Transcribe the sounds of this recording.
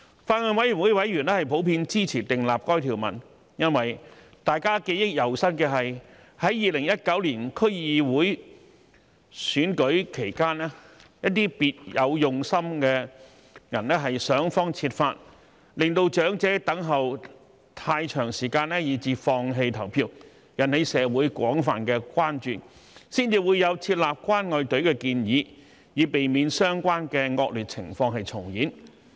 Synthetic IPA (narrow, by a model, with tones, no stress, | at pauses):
faː˧t̚ŋaː˧nwɐ˨˥jy˨˩nwuː˨˥jwɐ˨˥jɥyː˨˩nɛː˥hɐ˨jpʰo˨˥wpiː˧nt͡siː˥t͡sʰiː˨˩t̪ɪ˨ŋlaː˨p̚kɔː˥jt̪ʰiː˨˩wmɐ̰˨˩n | jɐ˥nwɐ˨j | t̪aː˨jkaː˥ke˧jɪ˥k̚jɐ˨˩wsɐ˥n̚kɛː˧ɦɐ˨j | hɐ˨˥jjiː˨lɪ˨˩ŋjɐ˥t̚kɐ˨˥wliː˨˩nkʰɵ˥jiː˧wuː˨˥j | syː˨˥nkɵ˨˥ɥkʰe˨˩jkaː˥nɛː˥ | jɐ˥t̚t̪iː˥piː˧t̚jɐ˨˧wjʊ˨ŋsɐ˥mkɛː˧ | jɐ˨˩nnɛː˥ɦɐ˨jsœː˨˥ŋfɔː˥ŋt͡sʰiː˧t̚faː˧t̚ | lɪ˨ŋt̪o˧wt͡ʃœː˨˥ŋt͡sɛː˨˥t̪ɐ˨˥ŋɦɐ˨w | t̪ʰaː˧jt͡ʃʰœː˨˩ŋsiː˨˩kaː˧nɛː˥jiː˨˧˩t͡siː˧fɔː˧ŋɦe˧jt̪ʰɐ˨˩wpʰiː˧˥w | jɐ˨˩nhe˨˧jsɛː˨˧wuː˨˥jkʷɔː˨˥ŋfaː˨nkɛː˧kʷaː˥nt͡ʃyː˨n | siː˥nt͡siː˨˧wuː˨˧jɐ˨˧wt͡sʰiː˧t̚laː˨p̚kʷaː˥nŋɔː˨˧jt̪ɵ˨˥ɥkɛː˧kiː˧njiː˨˧ | jiː˨˧pe˨jmiː˨˧nsœː˥ŋkʷaː˥nkɛː˧ŋɔː˧k̚lyː˨˩t͡sʰɪ̰˨˩ŋfɔː˧ŋɦɐ˨jt͡sʰʊ˨˩ŋjiː˨˥n